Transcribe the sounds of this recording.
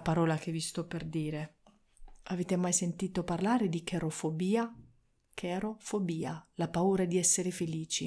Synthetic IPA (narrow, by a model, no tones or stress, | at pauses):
paɾɔːlak̟evist̪ɔpːerd̪iːɾe | aveːt̪emajsent̪iːt̪oparlaːɾed̪ikeɾofobiːa | kʰɛɾofobiːalapauːɾaɛd̪iɛsːeɾefeliːt͡ʃi